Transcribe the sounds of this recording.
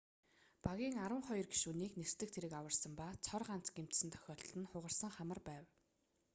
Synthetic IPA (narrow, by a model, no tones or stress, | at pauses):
paɣʲiːŋaɾwə̆ɴχɔjɞ̆rɡi̥ʃuniːknerst̪ɘ̆k̚t̪ʰeɾɘ̆kawə̆rsə̆mpat͡sʰɔrɢan̥t͡sɡem̥t̪sɘ̆nt̪ʰœ̥xʲɔːɮt̪ɘ̆nχʊʁə̆rsə̆ŋχamə̆rpæːw